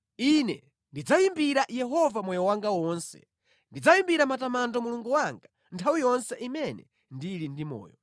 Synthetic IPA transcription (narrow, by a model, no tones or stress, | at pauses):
inɛ | ndid͡zaimbiɾajɛɦɔvamɔjɔwaŋɡawɔnsɛ̰ | ndid͡zaimbiɾamatamandɔmuluŋɡuwaŋɡa | ntʰawijɔnsɛʔimɛnɛ | ndilindimɔ̰ːjɔ